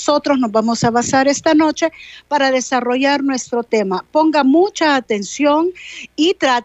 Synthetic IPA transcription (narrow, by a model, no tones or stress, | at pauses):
so̞t̪ɾozno̞zβamo̞saβasaɾe̞st̪ano̞t͡ʃe̞paɾaðe̞saro̞ʝaɾnwe̞st̪ɾo̞t̪e̞mapo̞ŋɡamut͡ʃaːt̪e̞nsjoŋit̪ɾa